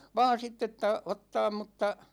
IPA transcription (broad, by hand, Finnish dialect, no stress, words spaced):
ʋɑːn̞ sitː etːæ otːɑːm mutːɑ